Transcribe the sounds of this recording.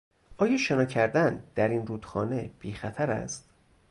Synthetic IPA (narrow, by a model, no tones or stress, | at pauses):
ʔɒːjɒːʃenɒːcʰæɾd̪ænd̪̥æɾiːnruːd̪̥xɒːneb̥iːxæt̪ʰæɾæ̰st̪